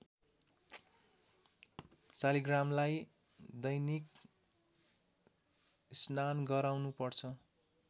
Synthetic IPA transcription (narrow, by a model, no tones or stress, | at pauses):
t͡saliɡramlaj | d̪ʌjnik | snanɡʌɾawnupʌrt͡sʰʌ